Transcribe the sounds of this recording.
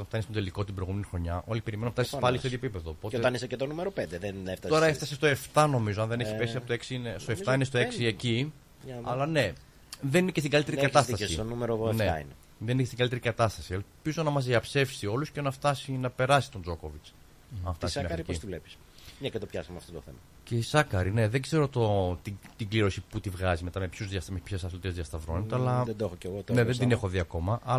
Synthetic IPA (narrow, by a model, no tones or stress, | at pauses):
ot̪ɐnft̪ɐnist̪od̪e̞liko̞t̪ibɾe̞ɣumenixɾo̞ɲɐʔo̞lipeɾimenunɐft̪ɐsi̥spɐlisteɐðjoepipe̞ðo̞po̞toet̪ɐniseet̪onumeɾopend̪eðeneft̪ɐto̞ɾɐeft̪ɐsest̪oe̞ft̪ɐno̞mizoɐnðeneçispe̞siɐpot̪oeksiinest̪oeft̪ɐinest̪oeksieci | ɐlɐne̞ | ðe̞ninecest̪iŋɡɐlit̪eɾikɐt̪ɐst̪ɐsionumeɾonḛḭn | ðeninecsiŋɡɐlit̪eɾikɐt̪ɐst̪ɐsielpizo̞nɐmɐzðiɐpse̞fsio̞lusce̞nɐft̪ɐsinɐpe̞ɾɐsi̥t̪o̞nd͡zo̞ko̞vit͡s | ɐnft̪ɐsimɲɐfɾcist̪ilepi̥s | ɲɐcet̪opçɐsɐmeɐft̪ot̪oθemɐ | ceisɐkɐɾine̞ðeɡze̞ɾot̪ot̪it̪iɡliɾo̞siput̪ivɣɐzime̞t̪ɐme̞pçuzðjɐst̪mespçesɐθlot̪iezðiɐst̪ɐvɾo̞net̪eɐlɐðed̪oexoceɣot̪neðed̪ine̞xoðiɐko̞mɐʔɐ